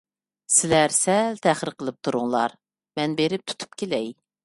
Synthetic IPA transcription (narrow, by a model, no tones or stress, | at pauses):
sɪlæɾsɛlt̪ʰæχəɾqəlˠɨp̚t̪ʰuɾʊŋlˠɑ̰ɾ | mɛnbeɾɪp̚t̪ʰu̥t̪ʰu̥p̚kʲelɛj